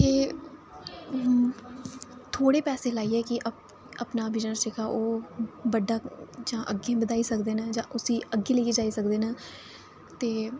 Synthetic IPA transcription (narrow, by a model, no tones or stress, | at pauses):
eː | t̪ʰoːɽeːpɛːseːlaːiːɛːkɪʔə | əpnaːbɪd͡ʒnəɾt͡ʃekaːʔoːbəɖaːd͡ʒãːʔəɡẽːbəd̪aːiːsəkd̪eːnãːd͡ʒãːʔʊsiːəɡːeːləid͡ʒaːiːsəkd̪eːnãː | t̪eː